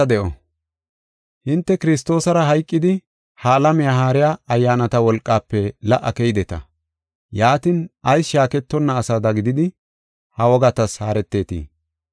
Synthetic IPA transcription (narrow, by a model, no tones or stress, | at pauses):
ɐd̪ɛʔɔ | hɪnt̪ːɛkɪɾɪst̪o̞ːsɐɾɐɦɐjkʼːɪd̪ɪ | haːlɐmɪjaːɦaːɾɪjaːɐjːaːnɐt̪ɐwɔlkʼːaːpːɛlɐʔːɐkɛjɪd̪ɛt̪ɐ̰ | jaːt̪ɪnɐjsʃaːkɛt̪ːɔnːɐːsad̪ɐɡɪd̪ɪd̪ɪ | hɐwɔɡɐt̪ɐshaːɾɛt̪ːe̞ːt̪ḭː